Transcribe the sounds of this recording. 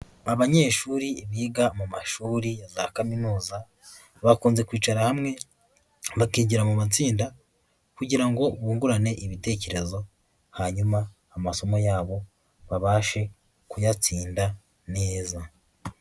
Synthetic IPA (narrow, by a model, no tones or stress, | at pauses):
aβaɲe̞ːʃuɾiːβiːɡamumaʃuːɾijazakaminuːza | βakuːnze̞kwiːt͡ʃaɾahamŋe̞ | βakiːɟiɾamumat͡siːnda | kuɟiɾaŋɡo̞βuːŋɡuɾane̞ʔiβite̞ːce̞ɾe̞zo̞ | haɲumaː | maso̞mo̞jaːβo̞ | βaβaːʃe̞ | kujat͡siːnda | ne̞ːza